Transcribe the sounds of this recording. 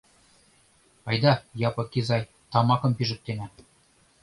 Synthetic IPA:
ɑjd̪ɑjɑpɤ̆kizɑj | t̪ɑmɑkɤ̆mpiʒɘ̆k̚t̪enæ

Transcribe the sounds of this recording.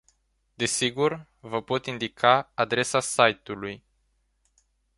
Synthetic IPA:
d̪e̞siɡur | vəpo̞t̪ind̪ikʰaad̪ɾe̞sasajt̪uluj

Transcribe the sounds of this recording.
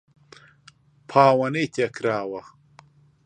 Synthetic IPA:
pʰaːwɐnet̪ʲɐkɾaːwɐx

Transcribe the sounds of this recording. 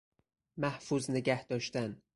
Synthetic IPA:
mæhfuzneɡæhd̪̥ɒːʃt̪æn

